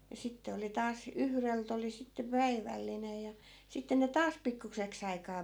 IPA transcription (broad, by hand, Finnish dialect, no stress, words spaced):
jɑ sitːe oli tɑːs yhrelt oli sitːe pæiʋælːinej jɑ sitːe ne tɑːs pikːukseks ɑikɑː